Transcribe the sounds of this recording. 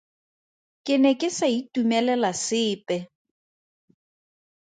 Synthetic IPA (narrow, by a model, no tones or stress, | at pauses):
kʼɪnɛkʼɪsaitʼumɛlɛlasɪːpʼɛ